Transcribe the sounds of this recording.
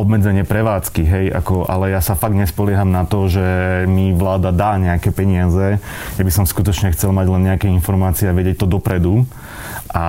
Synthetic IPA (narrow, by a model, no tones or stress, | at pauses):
ɔbmɛd͡zɛɲɪɛpɾɛʋaːt͡skiɦɛjʔa̰kɔʔa̰lɛjasafaɡdɲɛspɔlɪɛɦamnat̪ɔʒɛmiʋlaːd̪ad̪aːɲɛakɛpɛɲɪazɛ | jabisɔmskut̪ɔt͡ʃɲɛxt͡sɛlmaɟlɛnɲɛakɛinfɔɾmaːt͡siɛaʋɛɟɪjɛc̚t̪ɔd̪ɔpɾɛd̪u | ʔa